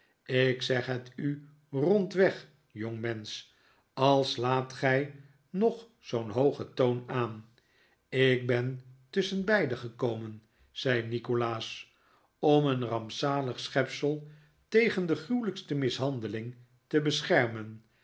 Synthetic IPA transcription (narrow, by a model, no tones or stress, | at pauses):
ɪksɛχɦəty | rɔntʋɛχ | jɔŋmɛns | ɑlˠslaːtχɛj | nɔχ | sownɦowχətownaːn | ɪk̚bɛntɵsənbɛjdəχəkowmən | z̥ɛjnikolaːs | ɔmənrɑmpsaːləχsχɛpsəlˠ | tejχəndəχrywləkstəmɪsɦɑndəlɪŋ | təbəsχɛɹmən